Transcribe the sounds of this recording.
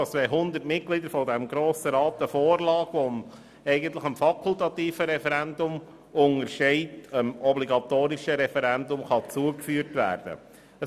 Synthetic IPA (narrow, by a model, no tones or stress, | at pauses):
t͡sʋɛɪɦʊnd̪ətmɪt̚klid̪əɾfɔdɛmɡɾoːsəɾɑːt̪əfɔːɾlɑːɡ̥ʋɔm | ɛɪɡənt̪ləχəmfɑkʰʊlt̪ɑtiːfəɾɛfɛɾændʊm | ʊŋəɾʃɛɪtəmɔbliɡɑt̪oːɾiʃəɾɛfɛɾændʊmχɑt͡suəkfyːəɾtʋæ̰ːɾd̥ə̰ | ə